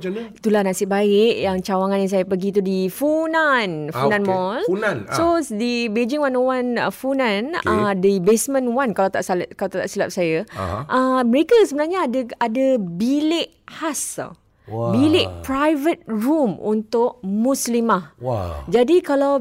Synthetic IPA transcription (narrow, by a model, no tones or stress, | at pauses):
t̪ulahnãsɪʔbaɪʔjaŋt͡ʃawaŋãnĩs̬ajapəɡit̪̬udifunanfunãnmɔlansodibed͡ʒiŋwanwanfunãnədibesmə̃nwankalat̪a̰ʔskalat̪at̪aʔsilap̚saja̰ʔəməɾekəsəbənarɲadəadabilɪʔ | has | bilɪʔpɾajvət̪̚rɹumṵnt̪ʊʔ̚muslimahd͡ʒadikalaw